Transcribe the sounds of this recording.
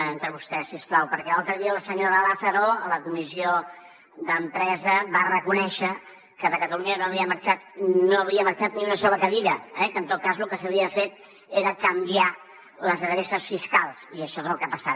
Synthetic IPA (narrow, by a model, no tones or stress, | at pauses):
ent̪ɾəβust̪ɛsisplawpəɾkɛlalˠt̪ɾəðiələsəɲoɾəəlaθəɾoləkumizio | d̪əmpɾɛzəβarəkunɛʃə | kəðəkət̪əluɲənoəβiəməɾt͡ʃat̪noəβɾiəməɾt͡ʃat̪niunəsɔβəkəðiʎəɛkənt̪ot̪̚kazlukəsəβiəfet̪̚ | eɾəkəmbia | ləzðəðɾesəsfiskalˠsiəʃɔezəlˠkapəsat̪